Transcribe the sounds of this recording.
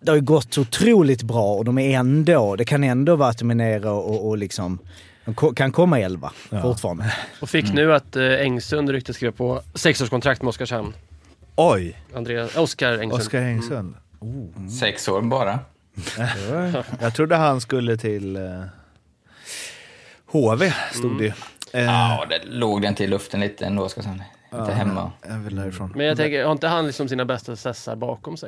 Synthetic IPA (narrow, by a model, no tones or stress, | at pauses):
d̪ɛhaɾjɵɡɔt̪ːɔʊt̪ʰɾuːlɪt̪bɾɑːɔd̪ɔmæɾɛnd̪oːd̪ɛkʰanɛnd̪ovɑːat̪ːɔmɛneːɾaɔːlɪksɔm | dɔkʰɔkʰankʰɔmːaɛlva̰fʊtfɑ̰ːɾand̪əɔfɪkːnʉ̟ːat̪ɛŋsɵnɾʏkt̪əskɾeːvapʰɔsɛksoːʂkʰɔnt̪ʰɾakt̪mɛɔskaʂhamn | ɔjand̪ɾeːɔskaɾɛŋɔskaɾɛŋsɵnusɛksoːɾbɑːɾa | jɑːɡ̚t̪ʰɾʊd̪ːəɦanskɵlːət̪ʰɪl | hoːveːst̪uːɡ̪ɛad̪ɛ̰loːɡd̪ɛnt̪ʰɪlːɵft̪ənliːt̪ʰəɛ̰nd̪oːɔskasamn | ɪnt̪əɦɛmːa̰ɛvɪld̪æːɾɪfɾoːnmɛnjɑaɡt̪ɛŋkəhaɾɪnt̪əhanlɪksɔmɔmsiːnabɛst̪asɛsːa̰ɾbɑːkɔmsɛj